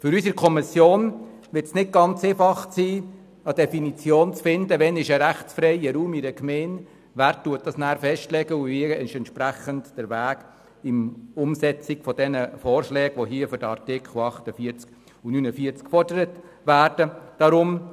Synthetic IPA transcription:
fʏɾysəɾkʰɔmisjoːn | ʋɪɾtsnɪt̚ɡ̥ɑnt͡seːfɑχsiː | ɑd̥ɛfinit͡sjoːnt͡sfɪndəʋɛnɪʃɛɾæχt͡sfɾɛɪəɾuːmiɾəkmɛːn | ʋæːɾtuət̚d̥ɑsnæːɾfɛʃtlɛɡəuʋiɛnʃɛntʃpɾæχəntd̥əɾʋæːɡ | ɪmʊmsɛt͡sikfɔd̥ɛnəfɔːrʃlɛːɡʋoɦiːəfʏɾd̥əɑ̰ɾtɪkʰχl̩ɑχtəfiəɾt͡sk | unynəfiəɾt͡skfɔrdəɾət | ʋæːɾd̥əd̥ɑɾʊm

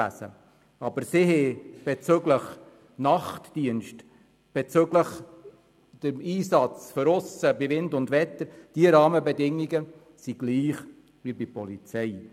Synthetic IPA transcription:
æ̰sə̰ | ɑbəɾsɪhɛb̥ɛt͡søɡləχ | nɑχtd̥iənʃt | b̥ɛt͡sʏɡləχ | d̥əmiːsɑt͡sføɾʊsəbivɪndʊndʋɛt̪əɾd̥iəɾɑːməbɛdɪŋiɡə | siɡ̥liːχ | vibipɔlit͡sɛɪ

